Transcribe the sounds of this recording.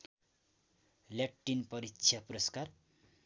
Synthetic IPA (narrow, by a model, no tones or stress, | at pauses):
laʈːinpʌɾitːsʰjapuɾʌskar